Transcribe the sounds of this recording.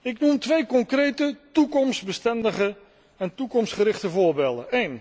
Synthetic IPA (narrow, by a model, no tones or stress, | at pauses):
ɪknumtʋejkɔŋkrejtətukɔmsbəstɛndəχə | ɛntukɔmstχəɾɪχtəvʊːɹbeːlˠdə̰nejn